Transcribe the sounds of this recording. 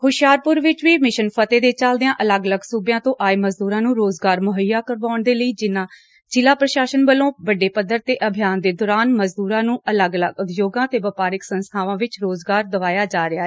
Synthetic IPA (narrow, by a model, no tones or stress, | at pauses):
hʊʃjaːɾpʊɾʋɪt͡ʃʋiːmɪʃənpʰət̪eːd̪eːt͡ʃəld̪ɪãːʔələɡələɡsuːbjãːt̪õːʔaːeːməzd̪uːɾãːnũːɾoːzɡaːɾmʊɦəjːaːkəɾʋaːʊɳd̪eːləiːd͡ʒɪnːãː | t͡ʃɪlaːpɾəʃaːʃənbəlõːʋəɖːeːpəd̪ːəɾt̪eːʔəbʱɪjaːnd̪eːd̪ɔːɾaːnməzd̪uːɾãːnũːʔələɡələɡʊt̪joːɡãːt̪eːʋəpaːɾɪksənst̪ʰaːʋãːʋɪt͡ʃɾoːzɡaːɾd̪əʋaːjaːd͡ʒaːɾɪaːɦɛː